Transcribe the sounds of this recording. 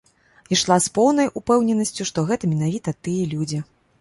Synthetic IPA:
iʂlˠaspɔwnɐjʔupɛwnʲɛnɐsʲt͡sʲuʂt̪ɔɣɛt̪ɐmʲɛnavʲit̪ɐt̪ɨjɐlʲud͡zʲi

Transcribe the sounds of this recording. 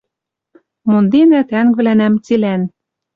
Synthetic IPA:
mond̪enæt̪æŋɡβlænæmt͡silæn

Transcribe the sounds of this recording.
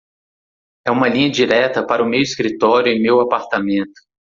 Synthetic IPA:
ɛũmɐlĩɲɐd͡ʒiɾɛt̪ɐpaɾɐʊmewiskɾit̪ɔɾjʊẽmewapaɾt̪amẽnt̪ʊ̥

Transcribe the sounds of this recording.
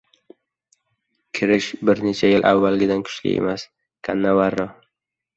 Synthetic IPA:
kʲʰɪɾɪʃbɪɾnet͡ʃʰajɪlʔa̰vːalɡʲɪd̪ankʰʊ̥ʃlɪ̰ʔḛmas | kʰanːavaɾːɒ

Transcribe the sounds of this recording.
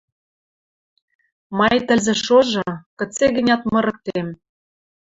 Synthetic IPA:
mɑjt̪ə̆lzĕʃoʒɤ̆kɤ̆t͡seɣɘ̆nʲɑt̪mɤ̆ɾɤ̆k̚t̪em

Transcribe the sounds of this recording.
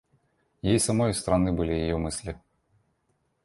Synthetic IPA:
jajisamɔjst̪ɾanɨbɨlʲijajɛmɨsʲlʲi

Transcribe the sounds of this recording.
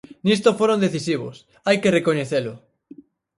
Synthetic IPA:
nist̪ofoɾõnd̪eθisiβ̞o̰s | ajkerekoɲeθelʊ

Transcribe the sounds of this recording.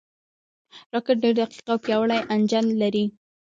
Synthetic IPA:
ɾɑkɪʈ̚ɖeɾd̪aqi̥qawpjɑwəɭajʔand͡ʒanlaɾi

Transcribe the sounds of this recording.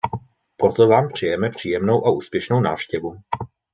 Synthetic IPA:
pɾo̞t̪o̞vaːmpr̝̥ɪjɛmɛpr̝̥iːjɛmno̞wʔaʔuːspjɛʃno̞wna̰ːfʃcɛvu

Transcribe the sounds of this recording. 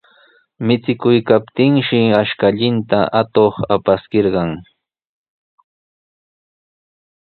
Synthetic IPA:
mɪt͡sɪkʊjkapt̪ɪŋʃɪaʃkaʎɪnt̪aʔat̪oχapaskeɾɢɑŋ

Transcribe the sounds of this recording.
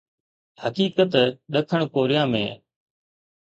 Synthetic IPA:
həkiːkət̪ɗəkʰəɽ̃koːɾijãːmḛ̃ː

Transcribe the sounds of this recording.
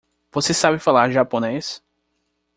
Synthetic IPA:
vosesabɪfalaɾʒapones

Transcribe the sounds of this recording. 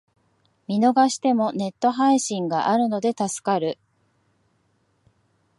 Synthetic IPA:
mʲino̞ɡaɕi̥t̪e̞mo̞ne̞t̪ːo̞ɦaiɕĩŋɡaʔaɾɯ̟no̞d̪e̞t̪asɨ̥kaɾɯ̟

